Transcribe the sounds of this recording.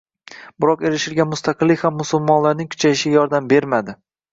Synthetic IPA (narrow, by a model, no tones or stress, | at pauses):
b̥ɪɾɒqe̞ɾɪʃɪlɡʲanmʊst̪ʰaqɨlːɪkʲhamːʊsʊlˠmɒnlaɾnɪŋkʰʊ̥t͡ʃʰajɪʃɪɡʲajɒɾd̪ambe̞ɾmad̪ɪ